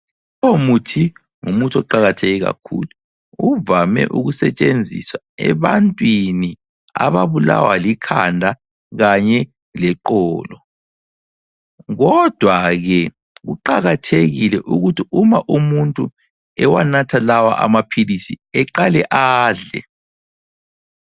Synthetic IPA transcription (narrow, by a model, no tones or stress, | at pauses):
omutʰi | ŋumutʰɔǃaɣatʰeɣiɣa̰kʰṵlu | uvamɛ̰ʔuɣusɛt͡ʃʼend͡zʱḭswa | ɛ̰βantʼwini | a̰βaβula̰walikʰandʱa | ɣaɲɛ | lɛǃɔːlɔ | ɣɔd̥ʱwaɣɛ | ɣuǃaɣatʰeɣilɛʔuɣutiumaʔumuntʼu | ɛwanatʰalawa̰ʔa̰mapʰilisiɛǃalɛʔaːɮɛ̰